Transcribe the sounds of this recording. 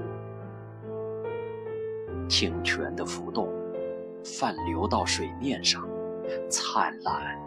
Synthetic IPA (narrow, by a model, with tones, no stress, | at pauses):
t͡ɕʰi˨˩ŋt͡ɕʰɥɛ̰˧˥nd̪ə˧fu˧˥t̪ʊ˥˩ŋ | fa˥˩nljo˧˥ʊt̪ɑ˥˩ʊʂwe˨˩ɪmjɛ˥˧nʂɑ˥˩ŋt͡sʰa˥˩nla˧˥˦n